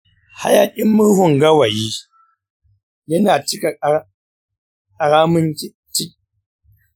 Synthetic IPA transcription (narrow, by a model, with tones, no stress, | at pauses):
ha̰˦ja˨kʲʼɪ˦mːʊ˦hʊ˨ŋɡɐ˦wa˨ji˦ | jɐ˦naː˨t͡ʃɪ˦ka˨˦ | kʼa˨ɾaː˦mʊ˦ŋ˦ | t͡ʃɪ˦